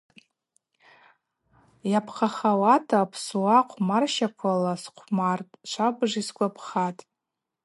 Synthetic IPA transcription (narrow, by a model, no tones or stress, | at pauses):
japʰχʰaχawatʰaːpʰswaqʷʰmarʃakʷʰalasqʷʰmartʼt͡ʃʷʰabʐiskʷapʰχatʼ